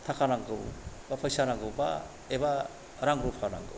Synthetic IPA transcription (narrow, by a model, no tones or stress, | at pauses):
tʰakʰanaŋɡɯwbapʰajsanaŋɡɯwba̰ | eba | ɾaŋɾupʰana̰ŋɡɯ̰w